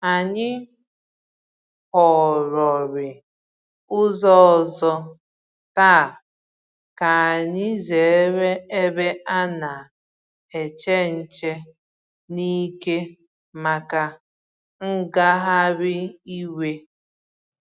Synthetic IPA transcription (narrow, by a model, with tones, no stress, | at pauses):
a˨ɲɪ˦ | hɔ˨ɾɔ˨ɾɪ˨ | ʊ˦zɔ˦ɔ˨zɔ˦ | ta˦˨ | ka˨a˨ɲɪ˦ze˨˦ɾe˦e˦be˦a˦na˨ | e˨t͡ʃe˦n̩˦t͡ʃe˦ | ni˦ke˦ | ma˨ka˦ | ŋ̩˦ɡa˦ɦa˦bɪ˦i˦we˦